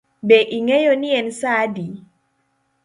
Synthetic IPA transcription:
bɛʔiŋɛjɔniɛnsadi

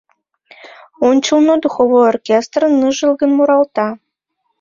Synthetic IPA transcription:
onʲt͡ɕəlˠnod̪uxoβojorkʲest̪rɤnːɨʒəlˠɣə̆nmuɾɑlt̪ɑ

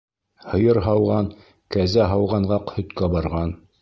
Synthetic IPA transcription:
hɤ̆jɤɾɦɑwʁɑn | kæzæɦɑwʁɑɴʁɑqhɵ̆t̪kæbɑɾʁɑn

